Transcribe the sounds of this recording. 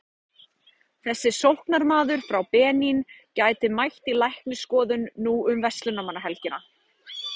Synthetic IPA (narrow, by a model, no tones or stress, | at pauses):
θɛsːɪsowhknaɾmaːðʏɾ̥fɾawpɛːnincaːjt̪ɪmajht̪ilajhknɪskɔːðʏnːuʏmvɛst̪lʏnamanːaɦɛlcɪna